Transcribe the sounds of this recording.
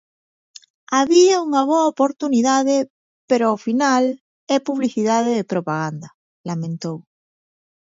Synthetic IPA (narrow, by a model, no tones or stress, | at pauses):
aβiauŋaβ̞oaopoɾt̪uniðaðe | peɾoafinal | ɛpuβliθiðaðeðepɾopaɣ̞and̪a | lamẽnt̪ow